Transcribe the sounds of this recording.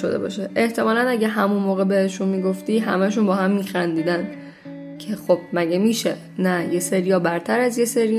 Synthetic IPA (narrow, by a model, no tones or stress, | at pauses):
o̰d̪ebɒ̰ːʃeʔeht̪ʰe̞mɒːlænæɟæɦæmunmoːɣebeheʃunmiːɡo̞ft̪iːɦæ̰mæʃunbɒːhæmːiːxænd̪iːd̪æn | cʰe̞xob̥̚mæɟemiːʃe | næje̞seɾijɒːbæɾt̪ʰæɾæzje̞seɾi